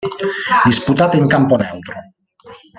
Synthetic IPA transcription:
d̪isput̪at̪eŋkamponewt̪ɾo

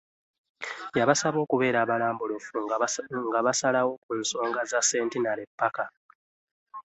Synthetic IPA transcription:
jaβasaβo̞ːkuβe̞ːɾaːβalaːmbulofuŋɡaβasalawo̞kuːnso̞ːŋɡazasːe̞ːntinaɾepːaka

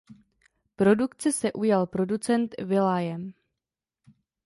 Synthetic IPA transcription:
pɾo̞dukt͡sɛsɛʔujalpɾo̞dut͡sɛnt̪vɪlaːjɛm

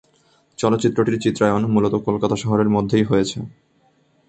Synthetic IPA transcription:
t͡ɕɔlot̪ːɕit̪ːɾoʈiɾt͡ɕit̪ːɾaeonmulot̪okolkat̪aʃɔɦoɾeɾmod̪ʱːejɦojet͡ɕʰe

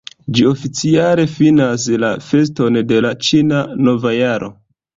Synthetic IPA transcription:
d͡ʒio̞fit͡siale̞finas̬lafe̞s̬to̞nde̞lat͡ʃinano̞vajaɾo̞̰

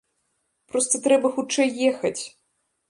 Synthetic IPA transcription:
pɾɔst̪ɐt̪ɾɛbɐxut͡ʂɛjːɛxɐt͡sʲ

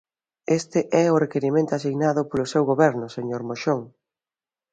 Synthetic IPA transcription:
est̪ɪʔɛʊrekeɾimẽnt̪ʊasiɣnaðʊpolʊsewɣoβɛɾnʊseɲoɾmoʃoŋ

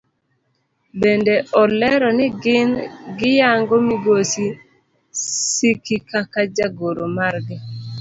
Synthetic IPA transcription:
bendeɔlɛɾɔnɪɡɪnɡɪjaŋɡɔmiɡosi | sikikakad͡ʒaɡoɾomaɾɡɪ

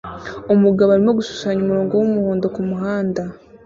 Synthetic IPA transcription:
omuɡaβaɾimo̞ɡusu̥saɲomuɾoːŋɡo̞womuhoːndo̞kumuɦaːnda

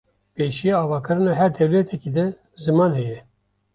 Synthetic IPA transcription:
peːʃijeɑːvɑːkɨɾɨnɑːɦɛɾd̪ɛwlɛt̪ʰɛkid̪ɛ | zɨmɑːnhɛjɛ

